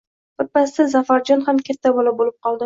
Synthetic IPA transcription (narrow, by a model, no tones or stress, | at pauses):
ʊt̪̚pːast̪ɪzafaɾd͡ʒɒnhamkʲʰat̪ʰːabolabolɪp̚qʰɒlˠd̪ɪ